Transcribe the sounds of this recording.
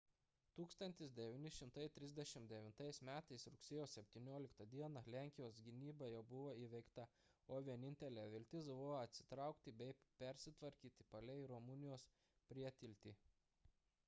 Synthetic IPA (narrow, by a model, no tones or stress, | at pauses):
t̪uːkst̪ɐnʲt̪ʲɪsd̪ʲɛʋʲɪːnʲɪʃʲɪmt̪ɐɪt̪ʲɾʲɪzʲd̪ʲɛʃʲɪmd̪ʲɛʋʲɪnt̪ɐɪsmʲæːt̪ɐɪsɾʊksʲeːjoːsʲɛpʲt̪ʲiːnʲoːlʲɪkt̪ɐd̪ʲiɛnɐlʲæˑŋʲkʲɪjoːs̬ɡʲɪnʲiːbɐjɛʊbʊʋoːiːʋʲɛɪkt̪ɐ | oːʋʲiɛnʲɪnʲt̪ʲɛlʲɛːʋʲɪlʲt̪ʲɪs̬bʊʋoːɐt̪ʲsʲɪ̥t̪ɾɑˑʊkt̪ʲɪbʲɛɪpʲɛɾʲsʲɪt̪ʋɐɾʲkʲiːt̪ʲɪ̥pɐlʲɛɪɾɔmʊnʲɪjoːs | pʲɾʲiɛt̪ʲɪlʲt̪ʲiː